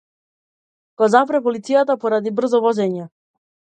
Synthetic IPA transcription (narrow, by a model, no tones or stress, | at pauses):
ɡ̥ɔzapɾɛpɔlit̪sijat̪apɔɾad̪ibr̩zɔvɔzɛɲɛ